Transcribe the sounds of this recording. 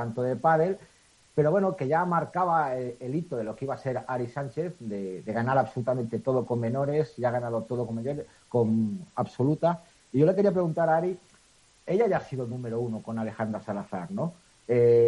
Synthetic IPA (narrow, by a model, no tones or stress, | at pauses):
t̪ant̪oðelpaðe̞l | pe̞ɾo̞βwe̞noke̞ʝamaɾkaβ̞aeelit̪oðe̞lo̞keiβase̞ɾaɾisanʲt͡ʃe̞θd̪e̞ðe̞ɣ̞anaɾaβso̞lut̪amẽnt̪e̞t̪o̞ð̞oko̞mːe̞no̞ɾe̞siaɣ̞anað̞o̞t̪o̞ðokomejoɾe | ko̞maβso̞lut̪a | iʝo̞le̞ke̞ɾiapɾeɣunt̪aɾaaɾi | e̞ʎaʝaːsiðonũme̞ɾounoko̞nale̞xand̪ɾasalaθa̰ɾno̞ | e